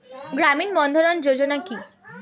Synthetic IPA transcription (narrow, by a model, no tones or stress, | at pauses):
ɡɾaminbɔnd̪ʱoɾond͡ʑod͡ʑonaki